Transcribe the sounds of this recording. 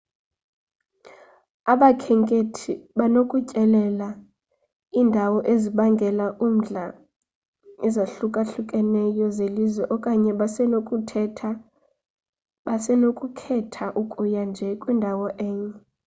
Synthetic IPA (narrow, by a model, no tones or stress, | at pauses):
aɓakʰɛŋkʼetʰiɓanokʼucʼɛlɛla | iːndʱawɔʔeziɓaŋɡʱɛlaʔum̩ɮa | ɛzaɬukʼaɬukʼɛnɛjɔzelizwɛʔɔkʼaɲɛɓasɛnokʼʰa | ɓasɛnokʼukʰɛtʰaʔukʼujand͡ʒʱɛkʼwindʱawɔʔɛːɲɛ